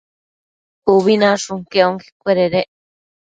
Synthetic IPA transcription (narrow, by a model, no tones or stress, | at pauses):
uβinãʂuŋkeoŋki̥kʷeɾeɾeʔ